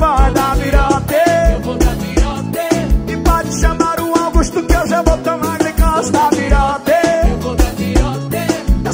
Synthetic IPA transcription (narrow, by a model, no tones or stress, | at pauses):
pɔd̪aviɾɔt̪e | t̪ɪpɔd͡ʒɪʃɐmaɾũawɡuʃt̪ʊkɪewʒavowt̪omaɾlikasd̪aviɾɔt̪e